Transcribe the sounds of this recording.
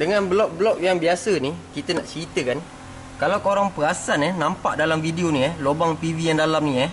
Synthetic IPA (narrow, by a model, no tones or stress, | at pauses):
dəŋanbəlɔk̚blɔk̚jaŋbiasənikit̪ənaʔt͡ʃit̪əkan | kalawkoɾaŋpəasaninampa̰ʔdalamfideonijahlobaŋt̪ivijaŋdalamnija